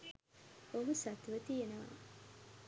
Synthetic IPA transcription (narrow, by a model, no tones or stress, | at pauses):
oɦusɐt̪uʋət̪ijenɐʋa̰